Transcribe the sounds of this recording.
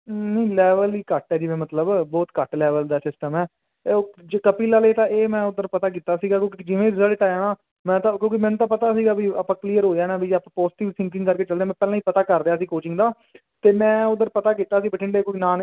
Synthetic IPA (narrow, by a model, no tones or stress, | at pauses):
nəĩlɛːʋəliːkəʈɛːd͡ʒiːʋẽːmət̪ləbbɔːt̪kəʈlɛːʋəld̪aːsɪsʈəmɛː | d͡ʒkəpiːlaːleːt̪ãːʔeːmɛ̃ːʊd̪əɾpət̪aːk̬iːt̪aːsiːɡaːk̬jõːkiid͡ʒɪʋẽːɾɪzəlʈaːjaːnaː | mɛ̃ːt̪ãːkjõːkimɛ̃ːnũːt̪ãːpət̪aːsiːɡaːbʱiːaːpãːkliːəɾɦoːjaːnaːbiːd͡ʒaːpãːpɔːsʈiːʋit̪ʰɪ̃ŋkɪ̃ŋɡkəɾkeːt͡ʃəld̪ejaːmɛ̃ːpɛːlãːiːpət̪aːkəɾd̪ejaːsĩːkoːt͡ʃɪ̃ŋɡd̪aː | t̪eːmɛ̃ːʊd̪əɾpət̪aːkiːt̪ːaːəsĩːbəʈʰɪɳɖeːkoiːnaːn